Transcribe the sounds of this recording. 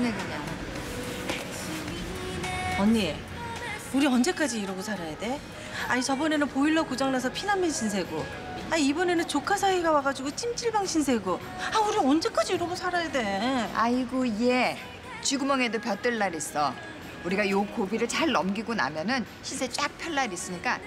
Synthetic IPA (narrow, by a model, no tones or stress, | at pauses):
nekɯɲaŋ | ʌɲːie | uɾiʌnd͡ʑe̞k͈ad͡ʑiːɾʌɡosʰaɾajade̞ | ait͡ɕʌbʌne̞nɯnpoiɭːʌkud͡ʑʌŋnasʰʌpʰinamenɕʰins̬ʰe̞ɡo | aibʌne̞nɯnt͡ɕokʰasʰaiɡawaɡad͡ʑuɡot͡ɕ͈ʰimt͡ɕ͈ʰiɭbaŋɕʰinsʰe̞ɡo | auɾiʌnd͡ʑe̞k͈ad͡ʑiːɾʌɡosʰaɾajade̞aiɡoije | t͡ɕiɡumʌŋe̞dopjʌt͈ɯɭːaɾis͈ʌ | uɾiɡajokobiɾɯɭt͡ɕaɭnʌmɡiɡona̰mjʌnɯn | ɕʰinsʰe̞t͡ɕ͈ak̚pʰjʌɭːaɾis͈ɯɲik͈a